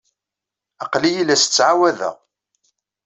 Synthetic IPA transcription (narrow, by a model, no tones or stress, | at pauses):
ɑqlijilːæsə̥t͡sːʕawæðæ̰ʁ